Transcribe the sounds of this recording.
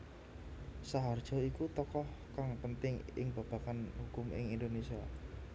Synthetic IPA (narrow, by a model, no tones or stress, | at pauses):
saɦard̥ʒ̥ɔ̤ikut̪ɔkɔhkaŋpənt̪ɪŋɪ̰ŋb̥a̤b̥a̤kanɦukʊmɪ̰ŋind̪onesia